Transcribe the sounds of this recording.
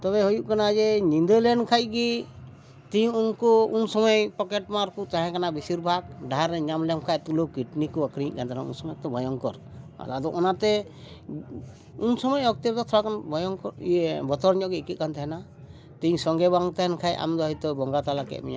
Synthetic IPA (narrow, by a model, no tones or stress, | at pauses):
t̪ɔβɛɦujuʔkanad͡ʒɛnind̪əlɛnkʰaj̚ɡi | t̪iɲunkɔunsɔmɔjpɔkɛʈmaɾkut͡ʃaɦɛ̃kanabisiɾbʱaɡ̚ɖaɦaɾɛɲamlɛmkʰajt̪ulukiʈnikuakɾiɲ̰ʔkant̪ʰnaṵnsɔmɔjat̪ɔbʱɔjɔŋkɔɾ | a̰d̪ad̪ɔʔɔnat̪ɛ | unsɔmɔjɔk̚t̪iɾt̪ɔt̪ʰɔɾakanbʱɔjɔŋkɔɾbɔt̪ɔɾɲɔʔɡiikit̪̚kant̪ʰɛɦɛna | t̪iɲsɔŋɡɛbaŋt̪ɛɦɛnkʰajʔa̰md̪ɔɦɔjt̪ɔbɔŋɡat̪alakɛ̰ʔ̪̚mḭɲa̰